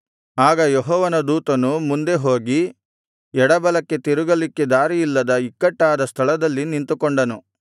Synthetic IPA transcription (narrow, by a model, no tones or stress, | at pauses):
aːɡɐjɔɦɔːʋɐnɐd̪uːt̪ɐnumund̪e̞ɦo̞ːɡi | ɛɽɐbɐlɐkːe̞t̪iɾuɡɐlikːed̪aːɾijilːɐd̪ɐikːɐʈːaːd̪ɐst̪ʰɐɭɐd̪ɐlːinint̪ukoɔɳɖɐnu